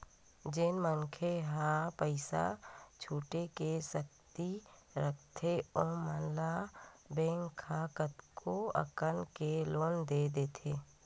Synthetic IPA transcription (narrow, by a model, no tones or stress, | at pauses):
d͡ʒɪnməŋkʰeɦapəɪsa̰t͡ʃʰuːʈekesək̚t̪iɾək̚ʰt̪ʰeɔːmənlabẽːŋʰaːkət̪kʰoə̰kənkeloːnd̪ed̪eːt̪ʰeː